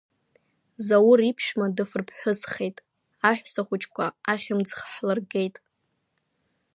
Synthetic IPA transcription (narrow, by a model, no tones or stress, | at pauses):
zawʊɾipʰʃmadɨfɨrpʰħʷᶣʊsχe̞jtʼ | aħʷsaχʷʊt͡ʃʼkʷʰaaχʲamd͡zχħlarɡe̞jtʼ